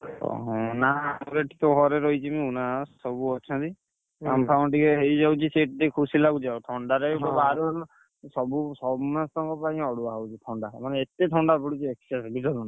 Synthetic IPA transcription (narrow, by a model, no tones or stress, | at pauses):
ɔ̰ɦɔ̃nauɾeʈit̪ɔɦɔɾeɾɔjt͡ʃʰimĩunassɔbuɔt͡ʃʰɔ̃nt̪i | ampʰawnʈikeɦejd͡ʒawt͡ʃʰiseʈd̪ekʰusilaɡud͡ʒawʈʰɔɳɖaɾebɔaɾun | sɔbusɔbmast̪ɔŋkɔpaĩɔɽuaɦawt͡ʃʰiʈʰɔɳɖamaneet̪eʈʰɔɳɖabɔɽut͡ʃʰieksasbidɔɾuna